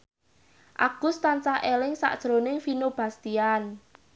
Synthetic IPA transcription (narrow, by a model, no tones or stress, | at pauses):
ʔa̰ɡ̥ʊst̪ant͡ʃaʔelɪŋsa̰ʔd̥ʒ̥ɾonɪŋfinob̥a̤st̪ian